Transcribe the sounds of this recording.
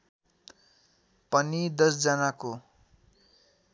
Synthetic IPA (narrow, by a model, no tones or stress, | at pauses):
pʌnid̪ʌsd͡zʌnako